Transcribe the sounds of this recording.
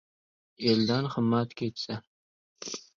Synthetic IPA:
eld̪anχəmːat̪kʲʰejt̪sa

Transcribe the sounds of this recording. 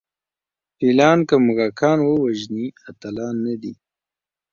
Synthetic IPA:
filɑːnkəmuɣakʰɑːnwəwaʒniat̪alɑːnːad̪i

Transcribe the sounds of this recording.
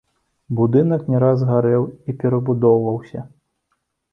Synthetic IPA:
bud̪ɨnɐknʲɛɾazɣaɾɛwipʲɛɾɐbud̪ɔwvɐwsʲɐ

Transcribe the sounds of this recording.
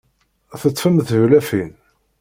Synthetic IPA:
θət̪ˤːfəmθəvlæfin

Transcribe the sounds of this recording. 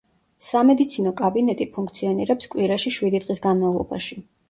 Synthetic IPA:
samɛd̪it̪sʰinɔkʼabinɛt̪ʼipʰuŋk̚ʰt̪sʰiɔniɾɛpskʼwiɾaʃiʃwid̪id̪ʁʼisɡanmavlˠɔ̰ba̰ʃi

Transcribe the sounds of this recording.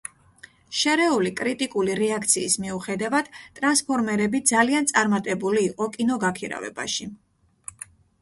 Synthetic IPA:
ʃɛɾɛulikʼɾit̪ʼikʼuliɾɛakʰt̪sʰiːsmiuχɛd̪avad̪̥t̪ʼɾanspʰɔɾmɛɾɛbid̪zaliant̪sʼaɾmat̪ʼɛbuliːqʼɔkʼinɔɡakʰiɾa̰vɛ̰ba̰ʃi

